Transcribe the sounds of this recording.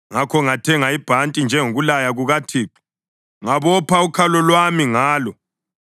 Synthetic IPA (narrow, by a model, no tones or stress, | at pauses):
ŋakʰɔŋatʰɛŋaib̥ʱantʼind͡ʒʱɛŋoɣulajaɣuɣatʰiːǃi̥ | ŋaβɔpʰaukʰalɔlwamiŋaːlɔ